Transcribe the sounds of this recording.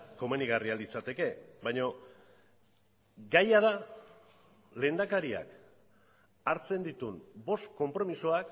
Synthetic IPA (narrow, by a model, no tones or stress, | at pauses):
ko̞meniɣ̞arialit͡sat̪e̞ke̞βajɲo̞ | ɡajað̞a | le̞ːnd̪akaɾia̰k | aɾt͡se̞nd̪it̪unbo̞st̪ko̞mpɾo̞misuak